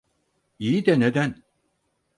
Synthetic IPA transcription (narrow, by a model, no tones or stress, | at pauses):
ijid̪ɛned̪æn